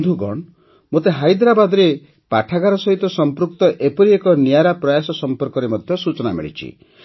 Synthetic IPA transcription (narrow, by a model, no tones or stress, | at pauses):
d̪ʱuɡɔɳ | mot̪eɦajd̪ɾabad̪ɔɾe | paʈʰaɡaɾɔsɔɦit̪ɔsɔmpɾukt̪ɔʔepɔɾiekɔnijaɾapɾɔjasɔsɔmpɔɾkɔɾemɔd̪ʱjɔsut͡ʃɔnamḭɭḭt͡ʃʰḭ